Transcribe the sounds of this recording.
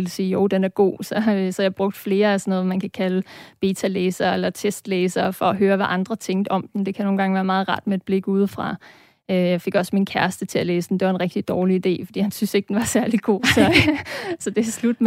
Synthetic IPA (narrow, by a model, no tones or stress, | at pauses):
elsiːjoʊd̥enæɐɡ̥o̝̰ːsɒ̽sɒ̽jɑ̈ɪb̥ʁɔ̽ɡ̥̚d̥fle̝ːɐæsɒnɔ̽ːð̩ˠmænkʰækʰæləb̥e̝ːt͡sʰæleːsɐelɐt͡sʰesd̥leːsɐːfɒ̽ːɦøːɐʋæʔɑ̈nd̥ʁɐt͡sʰeŋ̰d̥ɒ̽md̥en̩d̥e̝kʰæjno̝ːnɡ̥ɑ̈ŋ̩ʋæːɐmɑ̈ːð̞̩ˠʁɑ̈d̥med̥̚b̥le̝ɡ̥uð̞ˠfʁɑ̈ | øjɑ̈ɪfe̝ɡ̥ɒ̽sminkʰæɐsd̥ət͡sʰe̝æleːsd̥n̩d̥e̝ʋɑ̈e̝nʁɛɡ̥d̥id̥ɒːliid̥e̝̰ːfɒ̽d̥ḭːhænsynse̝ɡ̥̚d̥enʋɑ̈sæɐliɡ̥o̝̰ːsɒ̽sɒ̽d̥e̝slud̥m